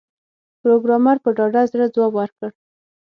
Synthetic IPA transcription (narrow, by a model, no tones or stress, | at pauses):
pɾoɡɾɑmɑɾpəɖɑɖazɾəd͡zwɑbwaɾkəɽ